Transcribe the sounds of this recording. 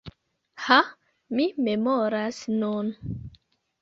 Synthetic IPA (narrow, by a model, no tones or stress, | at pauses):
ha | mimemoɾasnun